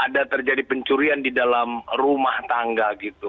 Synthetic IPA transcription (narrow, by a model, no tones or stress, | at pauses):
ʔadat̪ərd͡ʒadipəɲt͡ʃuɾiandidalamrumaht̪aŋɡaɡit̪u